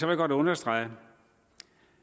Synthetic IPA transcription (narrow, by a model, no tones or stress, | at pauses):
sɒʋeɡ̥ɒd̥ɔ̽nɐsd̥ʁɑ̈ɪ̰